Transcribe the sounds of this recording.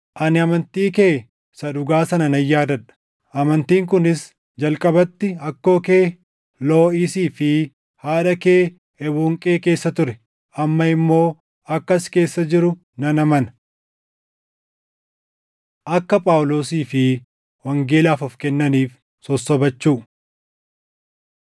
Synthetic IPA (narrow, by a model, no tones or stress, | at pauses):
ʔɐnɪɐmɐnt̪iːkeː | sɐᶑʊɡaːsɐnɐnɐjːaːd̪ɐᶑɐ̥ | ʔɐmɐnt̪iːŋk̬ʊnɪs | d͡ʒɐlkʼɐbɐt̪ːɪɐkːo̞ːkeː | lo̞ːɪsiːfɪ | haːᶑɐke̞ː | ɛbuːŋkʼeːke̞ːsːɐt̪ʊɾɛ | ʔɐmːɐɪmːo̞ː | ɐkːɐske̞ːsːɐd͡ʒɪɾʊ | nɐnɐmɐnɐ̥ | ʔɐkːɐpʼaːwlo̞ːsiːfɪ | wɐŋɡeːlaːfɔfkɛnːɐniːf | sɔsːɔbɐt͡ʃːuː